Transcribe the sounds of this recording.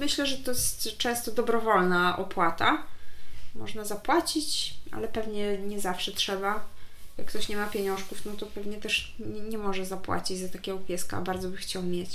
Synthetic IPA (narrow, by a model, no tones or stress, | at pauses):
mɘɕlɛʐɛt̪ɔjɛst̪t͡ʂɛ̃w̃st̪ɔd̪ɔbɾɔvɔlnaʔɔpwat̪a | mɔʐnazapwat͡ɕit͡ɕʔa̰lɛpɛvɲɛɲɛzafʂɛtʂɛbajakkːt̪ɔɕɲɛmapʲjeɲɔ̃ʂkufnɔt̪ɔpɛvɲɛt̪ɛʂɲɛɲɛmɔʐɛzapwa̰t͡ɕid͡ʑzat̪akʲɛɡɔpʲjɛska̰baɾd̪zɔbɘxt͡ɕawmʲjɛt͡ɕ